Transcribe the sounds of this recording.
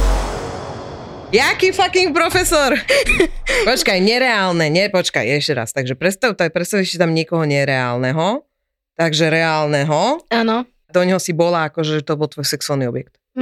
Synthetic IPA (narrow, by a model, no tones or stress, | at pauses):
jakifakiŋk̚pɾɔfɛsɔɾ | pɔt͡ʃkajɲɛɾɛaːlnɛɲɛpɔt͡ʃka̰jɛʃcɛɾa̰st̪aɡʒɛpɾɛst̪at̪apɾɛt̪st̪aʊisɛt̪amɲɪɛkɔɦɔɲɛɾɛa̰ːlnɛɦɔ | t̪aɡʒɛɾɛaːlnɛɦɔaːnɔ | d̪ɔɲɦɔsibɔlaːkɔʒɛt̪ɔbɔlt̪ʋɔjsɛksuaːlniɔbjɛkt̪